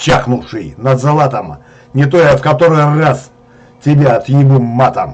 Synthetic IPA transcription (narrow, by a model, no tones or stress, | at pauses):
t͡ɕaχnuʂɨjnɐd̪zɐlˠat̪ɐm | nʲɪt̪̬ojɐfkɐt̪oɾɨjras | tʲɪbʲat̪jɪbɨmːat̪ɐm